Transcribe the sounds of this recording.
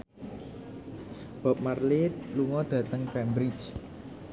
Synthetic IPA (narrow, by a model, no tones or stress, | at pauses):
b̥a̤p̚marlɪt̪luŋɔd̪̥ä̤t̪əŋkɛmbɾit͡ʃ